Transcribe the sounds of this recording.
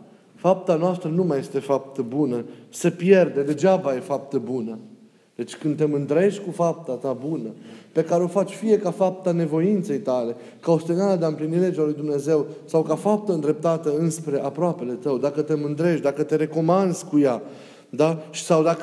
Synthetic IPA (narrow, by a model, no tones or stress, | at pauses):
fap̚t̪anoast̪ɾənumaje̞st̪e̞fap̚t̪əbunəsəpje̞rd̪e̞d̪e̞d͡ʒabaje̞fap̚t̪əbunə | d̪̥e̞t͡ʃʲkɨnd̪t̪e̞mɨnd̪ɾe̞ʃʲkufap̚t̪at̪abunəpe̞kaɾe̞o̞fat͡ʃʲfije̞kafap̚t̪ane̞vo̞int̪se̞jt̪ale̞ | kaost̪enaləd̪eaɨmplinile̞d͡ʒualujd̪umne̞ze̞wsawkafap̚t̪əɨnd̪ɾe̞p̚t̪at̪əɨnspɾe̞ʔapɾoape̞le̞t̪əwd̪akət̪e̞mɨnd̪ɾe̞ʃd̪akət̪e̞ɾe̞ko̞mand̪z̥ʲkuja | d̪aʃi̥sawd̪ak